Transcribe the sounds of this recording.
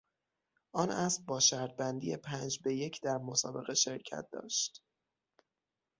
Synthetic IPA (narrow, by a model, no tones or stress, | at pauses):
ʔɒːnʔæsb̚bɒːʃæɾt̪̚bænd̪ḭjepʰænd͡ʒbe̞je̞cʰd̪æɾmosɒ̰ːbe̞̰ɣe̞ʃe̞ɾcʰæ̰t̪̚ʰd̪ɒ̰ːʃt̪